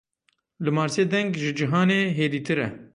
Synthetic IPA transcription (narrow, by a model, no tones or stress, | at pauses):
lɨmɑːɾseːd̪ɛŋɡʒɨd͡ʒiɦɑːneːɦeːɾiːt̪ʰɨɾɛ̰